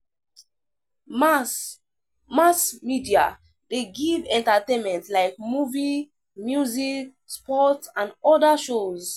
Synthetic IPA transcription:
masmidia̰ | deɡivɛ̃ntatẽnmɛ̃ntlaɪk̚muvi | mjuzik̚ | spɔtãnɔdaʃoz

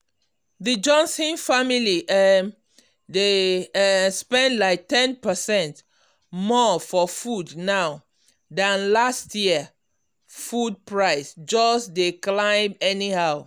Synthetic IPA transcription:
ðəd͡ʒɔ̃nsĩnfamiliʔ | de | spɛ̃ndlaɪk̚tɛ̃npəsɛ̃nt | mɔfɔfudnaʊ | dãnlastʰjiə | fud̚pɹaɪsd͡ʒɔsdeklãɪ̃mɛnihaʊ

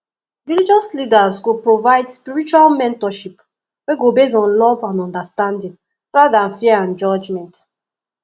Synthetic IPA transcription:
ɹilid͡ʒɔslidasɡopɹovaɪdspiɹit͡ʃualmɛ̃ntɔʃip | weɡobes̬ɔ̃nlɔvãnɔ̃ndastãndĩŋ | ɹaadãnfiɛãnd͡ʒɔd͡ʒmɛ̃nt

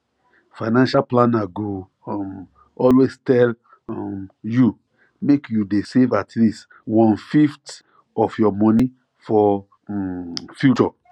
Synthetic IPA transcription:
faɪnãnʃalplãnaɡo | m | ɔlwestɛl | mju | mekjudesevatʰlist | wɔ̃nfift | ɔfjɔmɔni | fɔ | fjut͡ʃɔ

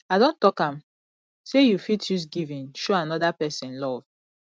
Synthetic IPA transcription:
aɪdõntɔkãm | sejufitʰjus̬ɡivĩnʃoanɔdapɛsɛ̃nlɔv̥

